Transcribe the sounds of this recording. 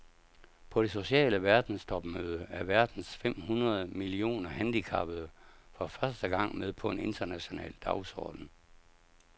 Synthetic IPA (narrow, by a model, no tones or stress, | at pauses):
pʰɒ̽ɾ̥e̝so̝ɕɛ̰ːləʋæɐd̥n̩sdʰɒ̽b̥møːð̞ˠəæɐʋæɐd̥n̩sfem̰hunɐð̞ˠmilio̝̰ːnɐhænd̥ikʰɑ̈b̥əð̩ˠfɒfɶɐsd̥əɡ̥ɑ̈ŋ̰með̞ˠpʰɒ̽e̝ne̝nd̥ɐnæɕo̝nɛ̰ːld̥ɑ̈ʊsɒ̰ːd̥n̩